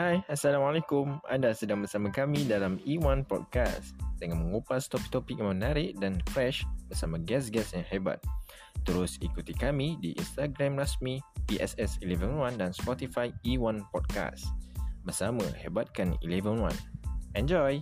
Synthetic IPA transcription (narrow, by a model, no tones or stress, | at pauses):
hajasalamalɛkʊmã̰ndasədãŋbərsamãkamĩdalamiwãnpɔ̰d̚ka̰sd̥əŋãnmə̃ŋupast̪ɔpik̚t̪ɔpik̚jãmənaɾɪʔdanfɾɛʃbərsamãɡɛs̬ɡɛsɛ̃nhɛba̰t̪̚ | t̪ːəɾʊsikut̪ikamidiʔḭnst̪aɡɾãmɹasmipiʔɛ̰sɛsilɛvənwãndanspɔt̪ifajiwãnpɔd̚ka̰sbərsamã̰hɛ̰bat̪̚kanḭlɛvənwã̰nʔɛ̃nd͡ʒɔj